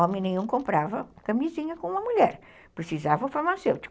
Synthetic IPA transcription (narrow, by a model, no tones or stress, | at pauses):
ɔmẽj̃nẽj̃ɲũkõmpɾavɐkɐmizĩɲɐkõumɐmuʎɛɾ | pɾɨsizavɐ̃fɐmasewt̪